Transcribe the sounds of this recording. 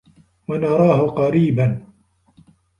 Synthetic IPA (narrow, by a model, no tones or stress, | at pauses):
wanɑɾˤɑːhʊqɑɾiːban